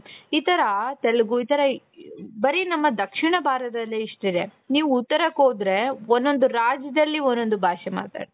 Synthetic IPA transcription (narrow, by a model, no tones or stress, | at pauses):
iːt̪ɐɾɐt̪ɛɭɐɡuiːt̪ɐɾɐ | bɐɾinɐmːɐd̪ɐkʂiɳɐbʱaːɾd̪ɐlːeiʂʈid̪e̞ | niːʋuut̪ːɐɾɐkoːd̪ɾe̞onːo̞nd̪uɾaːd͡ʒjɐd̪ɐlːionːo̞nd̪ubʱaːʃɛma̰ːt̪a̰ːɽi